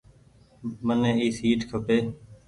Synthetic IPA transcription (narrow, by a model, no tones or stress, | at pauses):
mənẽːɦiːsiːʈkʰəpeː